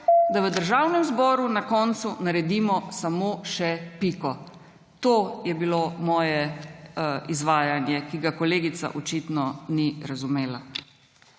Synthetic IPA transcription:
d̪aʋəd̪əɾʒaːwnɛmzbɔːɾunakɔnt̪sunaɾɛd̪iːmɔsamoːʃɛpikɔ | t̪oːjɛbilomɔːjɛ | izʋaːjanjɛkiɡakɔleːɡit̪sa̰ʔɔt͡ʃit̪nɔniɾazumeːla

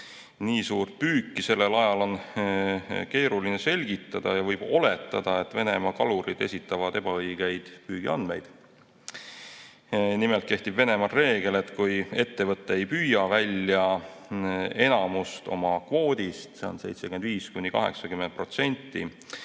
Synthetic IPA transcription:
niːsuːrt̪̚pyːkːise̞lːe̞lɑjɑlo̞n | ke̞ːɾulinese̞lʲɡ̥it̪ːˑɑd̪̥ɑjɑvɤjb̥o̞le̞t̪ːˑɑd̪̥ɑe̞t̪ːˑve̞ne̞mɑkɑluɾid̪e̞sʲit̪ːˑɑvɑd̪̥e̞b̥ɑɤjɡ̥e̞jd̪̥pyːɡ̥iɑnd̪me̞jd̪̥ | nimelt̪ke̞ht̪ibve̞ne̞mɑrre̞ːɡ̥e̞le̞t̪kuje̞t̪ːe̞vɤt̪ːeejpyːjɑvælʲjɑ | e̞nɑmust̪o̞̰mɑkvo̞ːd̪̥ʲist̪seo̞̰nse̞jt̪sekyend̪viːskunʲːikɑ̰ɦe̞̰ksɑkyment̪̚pro̞t̪se̞nʲt̪ːˑi

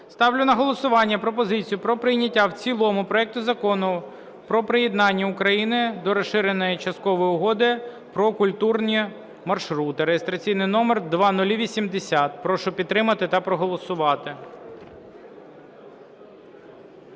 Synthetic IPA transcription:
st̪ɑwlʲʊnɐɦɔlˠɔsʊʋɑnʲːɐpɾɔp̬ɔzɪt͡sʲijʊpɾɔpɾɪjnʲɐtʲːawt͡sʲilˠɔmʊpɾɔɛk̚t̪ʊzɐkɔnʊ | pɾɔpɾɪjɛd̪nɑnʲːɐʊkɾɐjinɪd̪ɔɾɔʃɪɾenɔjit͡ʃɐst̪̚kɔʋɔjʊɦɔd̪ɪ | pɾɔkʊlʲt̪urnʲi | mɐrʃɾut̪ɪɐɾejest̪ɾɐt͡sʲijnɪjnɔmerd̪ʋɑnʊlʲiʋʲisʲimd̪esʲat̪̚pɾɔʃʊpʲid̪ːɾɪmɐt̪ɪt̪ɐpɾɔɦɔlˠɔsʊʋɑt̪ɪ

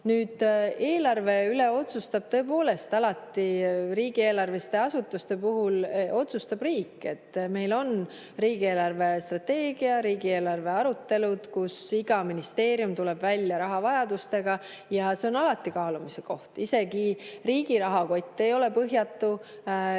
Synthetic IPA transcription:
nyːd̪̥e̞ːlɑrve̞yleo̞t̪sust̪ɑb̥̚t̪ɤ̞epo̞ːle̞st̪ɑlɑt̪ːiɾiːɡ̥ieːlɑrvest̪e̞ɑsut̪ːˑust̪e̞puɦulo̞t̪sust̪ɑb̥riːkːe̞t̪ːme̞jlo̞n | riːɡ̥ie̞ːlɑrve̞st̪rɑt̪ːe̞ːɡ̥iɑɾiːɡ̥ie̞ːlɑrve̞ɑɾut̪ːe̞lud̪̥kusiɡ̥ɑminist̪e̞ːɾijumt̪ule̞b̥vælʲjɑɾɑɦɑvɑjɑd̪̥ust̪e̞ɡɑ | jɑse̞o̞nɑlɑt̪ːˑikɑːlumiseko̞ht̪ise̞ɡiriːɡ̥iɾɑɦɑko̞t̪ʲˑːe̞jo̞le̞pɤɦjɑt̪ːu

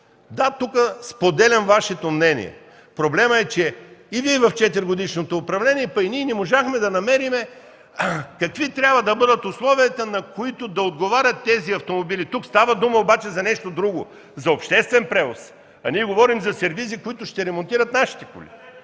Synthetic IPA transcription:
d̪at̪ukəspod̪ɛlʲɐmvaʃɛt̪omnɛnḭɛ̰ | pɾoblɛməɛt͡ʃɛiviɛvɐft͡ʃɛt̪ɛɾɡod̪iʃnot̪oːpɾɐvlʲɛnʲiɛpɐiniɛnɛmoʒaxmɛd̪ɐnɐmɛɾimɛ | kɐkvit̪ɾʲjabvəd̪ɐbɤd̪ət̪ʊslˠɔviɐt̪ɐnɐkoit̪ʊd̪ɐod̪ɡovaɾʲɐt̪ːɛziɐft̪omobilit̪ukst̪avəd̪uməobat͡ʃɛzɐnɛʃt̪od̪ɾuɡo̰ | zɐopʃt̪ɛst̪vɛnpɾɛvos | ɐniɛɡovɔɾimzɐsɛɾvizikoit̪ʊʃt̪ɛɾɛmont̪iɾɐt̪naʃi̥t̪ɛko̰lʲḭ

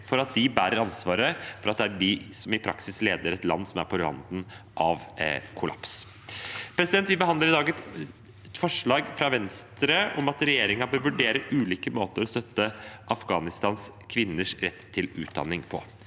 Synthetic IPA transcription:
fɔɾɑt̪̚d̪ɪbæːɾəɾɑnsʋɑːɾəfɔɾɑt̪̚d̪ɛæɖɪsɔmɪpʰɾɑ̰ksɪsleːd̪əɾɛt̪lɑ̰nːsɔmæ̰ɾpʰɔlɾɑ̰nd̪n̩ | ʔɑʋkʰʊlɑ̰ps | pʰɾɛsɪd̪ɛnt̪ʋɪbəɑnd̪əɾɪd̪ɑːɡɛt̪ | fɔʂɭɑːɡfɾɑʋɛnst̪ɾəɔmɑt̪ɾɛjeːɾɪŋɑbøːɾʋʉɖeːɾəʔʉːliːkəmoːt̪əɾɔst̪œt̪ːəʔɑfɡɑːnɪst̪ɑːnskʰʋɪnːəʂɾɛt̪ʰːɪlʉ̰ːt̪̚d̪ɑ̰nːɪŋpʰɔ̰

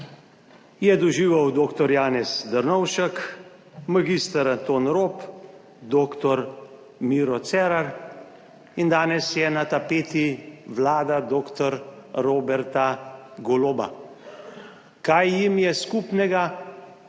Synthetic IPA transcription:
jɛd̪ɔʒiːʋawd̪oːkt̪ɔɾjaːnɛsd̪əɾnɔwʃək | maɡiːst̪aɾat̪oːnɾoːp | d̪oːkt̪ɔɾ | miːɾɔt̪sɛːɾaɾ | ind̪aːnɛsjɛnat̪apeːt̪iʋlaːd̪ad̪oːkt̪ɔɾɾoːbɛɾt̪aɡɔloːba̰ | kajːimjɛskuːpnɛɡa

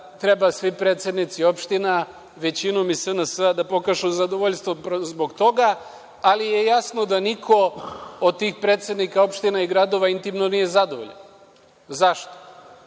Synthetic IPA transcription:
t̪ɾebasʋipɾe̞ːt̪sed̪nit̪sio̞pʃt̪ina | ʋe̞t͡ɕinomisənasəad̪apo̞kaʒuzad̪oʋoʎst̪ʋopzboɡt̪o̞ɡaː | lije̞jasno̞d̪anikʰo̞od̪̚t̪iːxpɾe̞ːt̪sed̪nikao̞pʃt̪inaiɡɾad̪o̞ʋaint̪imnonije̞zad̪oʋo̰ʎen | zaʃt̪o̥

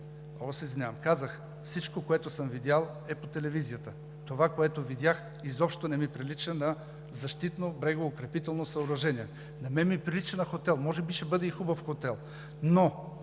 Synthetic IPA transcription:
osizvinʲavmkazəx | fsit͡ʃkokoɛt̪ʊsəmvid̪ʲjalˠ | ɛpot̪ɛlɛvizijət̪ə | t̪ovakoɛt̪ovid̪ʲjax | izɔpʃt̪onɛmipɾilit͡ʃənɐ | zɐʃt̪it̪nobɾɛɡoːkɾɛpit̪ɛlˠnosɐoɾɐʒɛniɛ | nɐmɛmipɾilit͡ʃənɐxot̪ɛlˠmɔʒɛbiʃɛbɤd̪ɛixubəfxot̪ɛlˠ | no

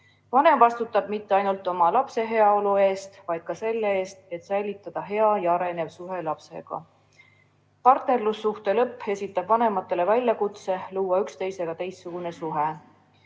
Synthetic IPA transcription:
vɑne̞mvɑst̪ut̪ːˑɑb̥̚mit̪ːe̞ɑjnult̪ːˑo̞mɑlɑpse̞ɦe̞ɑo̞lue̞ːst̪vɑjd̪̥̚kɑse̞lːee̞ːst̪e̞t̪sæjlʲit̪ːˑɑd̪̥ɑɦe̞ɑjɑɑɾe̞ne̞vsuɦe̞lɑpse̞̰ɡ̥ɑ̰ | pɑrt̪ne̞rlusːuht̪e̞lɤpːe̞sʲit̪ːˑɑb̥vɑne̞mɑt̪ːˑe̞le̞vælʲjɑkut̪se̞luːwɑykst̪e̞jse̞ɡ̥ɑt̪e̞jsːuɡ̥une̞suɦe

